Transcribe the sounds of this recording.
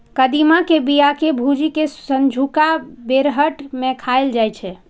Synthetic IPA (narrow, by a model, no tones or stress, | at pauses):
kəd̪imakebijakebʱud͡ʒikesənd͡ʒʱukabeɾɦəʈmekʰaeld͡ʒajt͡ʃʰɛ